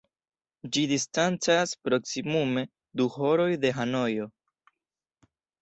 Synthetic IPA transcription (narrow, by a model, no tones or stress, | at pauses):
d͡ʒidistant͡saspɾo̞ksimume̞ | duɦo̞ɾo̞jde̞ɦano̞jo̞